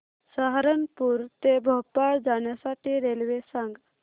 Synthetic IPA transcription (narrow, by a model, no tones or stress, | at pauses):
saɦɾənpuɾt̪ebʱɔpːaɾd͡ʒaːnjasaʈʰiɾeːlʋesãŋɡ